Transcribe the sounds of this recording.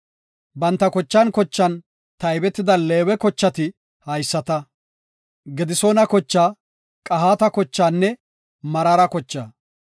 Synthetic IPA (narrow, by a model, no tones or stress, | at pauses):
bɐnt̪ːɐkɔt͡ʃːɐnkɔt͡ʃːɐn | t̪ɐjbɛt̪ːɪd̪ɐleːwɛkɔt͡ʃːɐt̪ɪ | hɐjsːɐt̪ɐ | ɡɛd̪ɪsoːnɐkɔt͡ʃːaː | kʼɐɦaːt̪ɐkɔt͡ʃːaːnːɛ | mɐɾɐɾɐkɔt͡ʃːaː